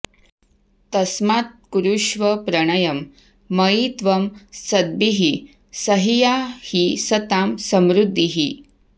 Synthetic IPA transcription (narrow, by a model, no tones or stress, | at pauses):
t̪ɐsmat̪̚kuɾuʂʋəpɾɐɽ̃ɐjɐmː | ɐit̪ʋɐmsɐd̪̚biɦi | səɦijahisɐt̪amsəmɾud̪ʱːiɦi